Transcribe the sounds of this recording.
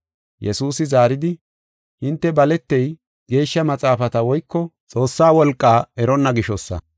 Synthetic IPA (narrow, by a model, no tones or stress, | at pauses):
jɛsuːsɪzaːɾɪd̪ɪ | hɪnt̪ːɛbɐlɛt̪ːɛj | ɡe̞ːʃːɐmɐt͡sʼaːfɐt̪ɐwɔjkːɔt͡sʼo̞ːsːaːwɔlkʼːaːɛɾɔnːɐɡɪʃɔsːɐ̰